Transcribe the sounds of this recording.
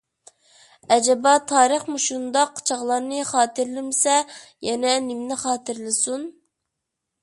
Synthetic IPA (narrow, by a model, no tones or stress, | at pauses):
ɛd͡ʒɛbɑt̪ʰɑːɾəχmuʃund̪ɑqːt͡ʃʰɑʁlˠɑɾnɨχɑːt̪ɨɾlɪmɪsɛjɛnɛnɪmnɪχɑːt̪ɨɾlˠɨsun